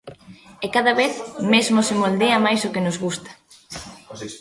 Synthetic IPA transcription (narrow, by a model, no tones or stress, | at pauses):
ekaðaβeθmezmosɪmold̪eɐmajsokɪnʊzɣust̪ɐ̥